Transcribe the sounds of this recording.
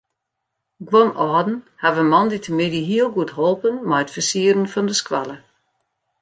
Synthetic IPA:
ɡwɔnʔɔːdn̩havənmɑnditʰəmɪdiɦiəlˠɡuətɦɔlˠpənmajətfəsiəɾənfɔndəskwa̰lˠə

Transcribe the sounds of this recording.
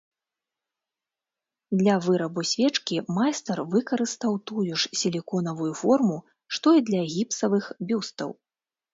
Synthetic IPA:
d̪lʲɐvɨɾɐbusʲvʲɛt͡ʂkʲimajst̪ɐrvɨkɐɾɨst̪awt̪ujuʂsʲilʲikɔnɐvujufɔrmu | ʂt̪ɔid̪lʲɐɣʲipsɐvɨxbʲust̪ɐ̰w

